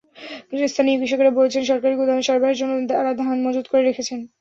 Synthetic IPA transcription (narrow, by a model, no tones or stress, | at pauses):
ɡɾiist̪ʰanibiʃ̬okoɾabolet͡ɕʰenʃɔɾkaɾiɡud̪ameʃɔɾbaɦeɾd͡ʑonːoad̪alad̪ʱaɦnmod͡ʑud̪̚koɾeɾekʰet͡ɕʰen